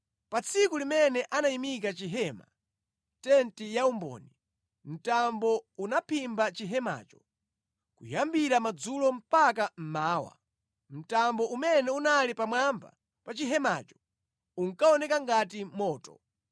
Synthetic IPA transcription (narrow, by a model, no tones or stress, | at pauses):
pat͡sʰikulimɛnɛʔanaimik̬at͡ʃiɦɛma | tɛntijaumbɔ̰ni | m̩tambɔunapʰimbat͡ʃiɦɛma̰ːt͡ʃɔ̥ | kujambiɾamad͡zulɔm̩pak̬am̩maːwa̰ | m̩tambɔʔumɛnɛunalipamwamba̰ | pat͡ʃiɦɛma̰ːt͡ʃɔ̥ | uŋkaɔnɛkaŋɡat̬imɔːtɔ̰